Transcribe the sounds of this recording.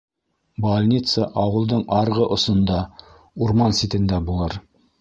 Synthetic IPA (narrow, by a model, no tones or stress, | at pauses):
bolʲnʲit̪səʔɑwɤ̆lˠd̪ɤɴɑɾʁɤʔŏsŏnd̪ɑ | uɾmɑnsit̪ɘ̆nd̪æbulˠɤɾ